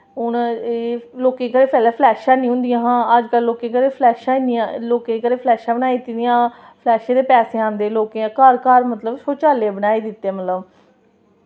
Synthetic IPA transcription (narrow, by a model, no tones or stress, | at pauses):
ʊneːloːkẽːkəɾeːpɛːlɛːpʰlɛːʃãːnĩːɦʊ̃nd̪ijãːɦãːəd͡ʒkəlːoːkẽːkəɾeːpʰlɛːʃãːinijãloːkẽːkəɾeːpʰlɛːʃãːbənaːiːt̪ɪd̪ɪjãː | pʰlɛːʃãːd̪eːpɛːseãːnd̪eːloːkeãːkaːɾkaːɾmət̪ləbsoːt͡ʃaːleːbəɽaːiːd̪ɪt̪ːeːmət̪ləb